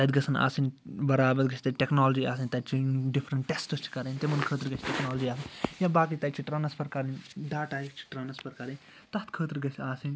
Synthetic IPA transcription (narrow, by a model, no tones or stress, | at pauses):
t̪ɐd̪ɡɐsɐna̰ːsinbɐɾaːbɐɾɡɐt͡ʃʰʲt̪ɐʈeknaːld͡ʒiːaːsɐnʲt̪ɐd̪̚t͡ʃʰiɖipʰɾɐɳʈʈːesʈɨst͡ʃʰi̥kɐɾɐnʲt̪emɐnkʰəːt̪̬iɾɡɐt͡ʃʰʲʈeknaːlɐd͡ʒiːaːsɐnʲjabaːkit̪ɐt͡ʃʰiʈɾɐnɐspʰɐɾkɐɾɐnʲɖaːʈaːikt͡ʃʰi̥ʈɾɐnɐspʰɐɾkɐɾɐn | t̪ɐt̪kʰəːt̪iɾɡɐt͡ʃʰʲaːsinʲ